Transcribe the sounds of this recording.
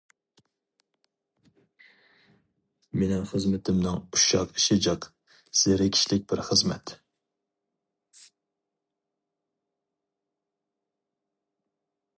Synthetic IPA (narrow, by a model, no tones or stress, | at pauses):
menɪŋχəzmɨt̪ʰɪmnɪŋuʃɑqiʃɪd͡ʒɑq | sɪɪɾɪkʲʰi̥ʃlɪk̚ʲbɪɾχəzmɛ̰t̪